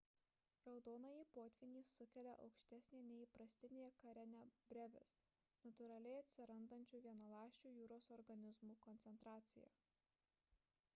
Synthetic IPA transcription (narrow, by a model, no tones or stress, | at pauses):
ɾɐʊd̪oːnɐjiːpoːt̪ʲʋʲinʲiːsːʊkʲɛlʲɛʔɐʊkʃʲt̪ʲæsʲnʲeːnʲɛiːpɾɐsʲt̪ʲɪnʲeːjɛkɐɾʲɛnʲɛbʲɾʲɛʋʲɛ̰s | nɐt̪ʊɾɐlʲɛɪɐt̪ʲsʲɪɾɐnd̪ɐnʲt͡ʃʲuːʋʲiɛnɐlˠɑːʃʲt͡ʃʲuːjuːɾoːsɔɾɡɐnʲɪzmuːkɔnʲt̪sʲɛnt̪ɾɑːt̪sʲɪjɛ̰